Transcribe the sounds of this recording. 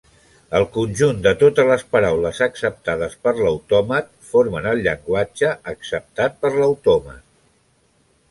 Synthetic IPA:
əlˠkunʲʒund̪ət̪ot̪əzləspəɾawləzəksəp̚t̪að̞əspəɾləwt̪ɔmət̪ | foɾmənəlˠʎəŋɡwad͡ʒəːksəp̚t̪at̪̚pəɾləwt̪ɔmə̰t̪

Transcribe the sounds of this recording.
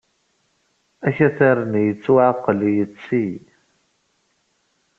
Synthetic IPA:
æçæθaɾənjət͡sːuʕaqːəlijət͡sːi

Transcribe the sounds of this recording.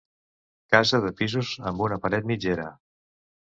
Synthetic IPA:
kazəðəpizuzə̰mbunəpəɾɛt̪̚mid͡ʒeɾə̰

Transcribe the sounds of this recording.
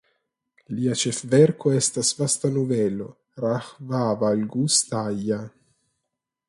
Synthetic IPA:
liat͡ʃefveɾkoest̪asvast̪anuvelo̰ | ɾahvavalɡust̪aja

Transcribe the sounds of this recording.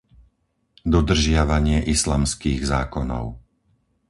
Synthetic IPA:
d̪ɔd̪r̩ʒɪaʋaɲɪɛʔislaːmskiːɣzaːkɔnɔ̰ʊ

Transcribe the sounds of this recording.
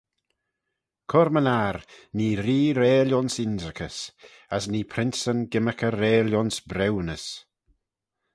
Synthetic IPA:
kʰɔɾmənaɾniːɾiːɾeːljɔnsɪnzəkʰəs | asniːpʰɾɪnsənɡɪməkəɾeːljɔnsbɾɛwnəs

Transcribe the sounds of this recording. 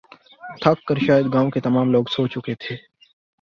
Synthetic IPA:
t̪ʰakːəɾʃaːjəd̪ɡãːõket̪ɐmaːmloːɡsoːt͡ʃʊket̪ʰeː

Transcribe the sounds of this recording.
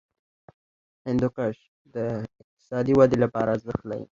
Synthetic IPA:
ɪnd̪ʊqaʃ | d̪əɪq̚t̪ɪ̥sɑd̪iwad̪elapɑɾazd̪axt̪la̰ḭ

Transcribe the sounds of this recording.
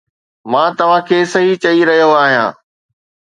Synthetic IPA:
mãːt̪ɐʋ̤ãkʰeːsɐɦit͡ɕɐiɾɐɦijoaːɦijã̰ː

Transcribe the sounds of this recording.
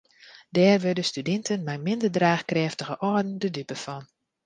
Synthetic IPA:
dɛːrʋødəstydɛntənmɛjmɪndərdraːxkrɛftəɣəʔɔdən̩dədypəfɔn

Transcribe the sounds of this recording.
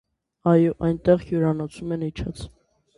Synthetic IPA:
ɑjɔʔɑjnt̪ɛʁɡjuɾɑnɔt͡sʰumɛnit͡ʃʰɑt͡sʰ

